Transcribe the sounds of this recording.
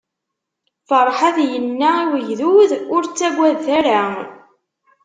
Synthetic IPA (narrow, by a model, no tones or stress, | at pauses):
fɑɾˤħaðjənːaiwəʝðuðʊɾt͡sːæɡʷæðθæɾa